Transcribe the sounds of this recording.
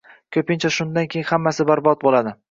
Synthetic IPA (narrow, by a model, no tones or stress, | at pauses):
kʲʰɵpɪnt͡ʃʰaʃʊnd̪ankʲʰejnhamːasɪbaɾbɒt̪̚bolad̪ɪ